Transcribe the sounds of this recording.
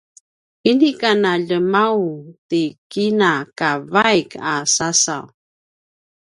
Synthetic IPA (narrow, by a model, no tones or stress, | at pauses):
inikanaʎəmawtikinakavajkasasa̰w